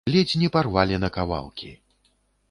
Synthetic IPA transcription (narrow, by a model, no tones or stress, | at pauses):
lʲed͡zʲnʲiparvalʲɛnɐkava̰lˠkʲi